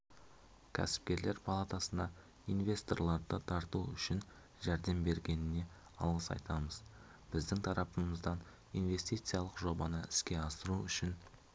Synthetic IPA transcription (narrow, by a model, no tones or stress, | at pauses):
kʲʰæ̰sɪ̥p̚kʲe̞ɾle̞ɾpʰalˠat̪asənd̪ɑ | ijnve̞st̪o̞rlˠɑɾd̪ət̪ʰɑɾt̪uʏ̰ʃɪn | ʒæɾd̪e̞mbe̞ɾɡʲe̞nɪne̞ | ɑ̰lˠʁəsɑ̰jt̪ɑməz | b̥ɪzd̪ɪŋt̪ʰɑɾɑpəməzd̪ɑn | ijnve̞st̪ijt̪sɨjɑlˠəqʒo̞bɑnəɪskʲe̞ɑsəɾuʏʃɪn